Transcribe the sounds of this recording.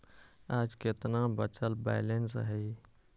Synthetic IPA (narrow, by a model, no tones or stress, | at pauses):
ad͡ʒket̪nabət͡ʃəlba̰ɪlensɦəj